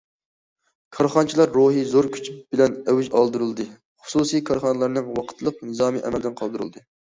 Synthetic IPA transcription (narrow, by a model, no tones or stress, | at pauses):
kʰɑɾχɑnt͡ʃʰilˠɑɾːoɦizoɾkʲʰy̥t͡ʃʰb̥ɪlɛnɛwyʒɑlˠd̪uɾɨlˠd̪ɨ | χʊ̥susijkʰɑɾχɑnɨlˠɑɾnɨŋwɑqʰə̥t̪lˠəqnɨzɑːmiʔɛ̰mɛld̪ɪnqʰɑlˠd̪uɾɨ̰lˠd̪ɨ